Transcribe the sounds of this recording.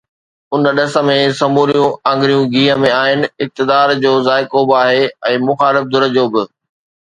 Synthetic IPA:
ʊnɗɐsə̆mẽsɐmuːɾijũãːŋɡɾijũɡʱiːɦəmẽaːɦɪnɪ̆ɪk̚t̪ɪd̪aːɾd͡ʑoːzaːɪkobɪaːɦeɛ̃ːmʊxaːlɪfd̪ʱʊɾə̆d͡ʑoːbɪ

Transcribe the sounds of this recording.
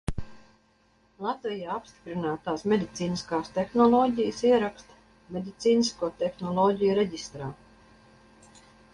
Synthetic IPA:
lˠat̪vijaːapst̪i̥pɾinaːt̪aːsmʲed̪ʲit̪siːniskaːst̪exnɔlˠɔːɟʲijəsiɛɾakst̪ | mʲed̪ʲit̪siːniskuɔt̪exnɔlˠɔːɟʲijuɾeɟʲist̪ɾaː

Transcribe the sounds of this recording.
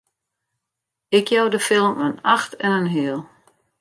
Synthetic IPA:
ɪkʰjawdəfɪlˠmənaxtɛnənɦɪəlˠ

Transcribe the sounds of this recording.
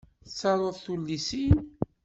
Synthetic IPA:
θsːɑɾˤoðˤθulːisin

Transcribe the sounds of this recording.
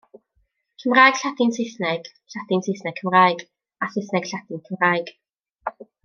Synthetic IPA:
kʰəmraːjɡ̥ɬadɪnsɪθnɛɡ̥ | ɬadɪnsɪθnɛɡ̥̚kʰəmraːjɡ | asɪθnɛɡ̥ɬadɪnkʰəmraːjɡ̥

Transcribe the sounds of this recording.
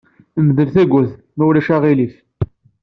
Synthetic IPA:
mðəlθæɡʷʊθ | mæwlæʃæʁilif

